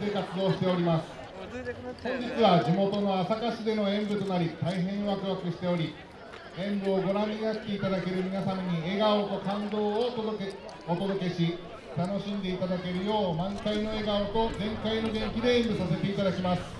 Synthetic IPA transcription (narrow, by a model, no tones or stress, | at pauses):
ekat͡sɨd̪o̞ːɕi̥t̪e̞oɾʲimasɨ̥ | hõ̞ɲ̟d͡ʑit͡sɨβad͡ʑimo̞t̪o̞no̞asakaɕid̪e̞no̞ẽ̞mbɯ̟t̪o̞naɾʲit̪aiɦẽ̞ɰ̃βakɯ̟βakɯ̟ɕi̥t̪e̞o̞ɾʲi | ẽ̞mbɯ̟o̞ɡo̞ɾãɲːinat̪ːe̞it̪ad̪ake̞ɾɯ̟mʲinasamaɲ̟ie̞ɡaot̪o̞kãnd̪o̞ːo | ot̪o̞d̪o̞ke̞ɕi | t̪ano̞ɕĩnd̪e̞it̪ad̪ake̞ɾɯ̟jo̞ːmãŋkaino̞e̞ɡaot̪o̞zẽ̞ŋkaino̞ɡẽ̞ŋkʲid̪e̞ẽmbɯ̟sase̞t̪e̞it̪ad̪akʲimasɨ̥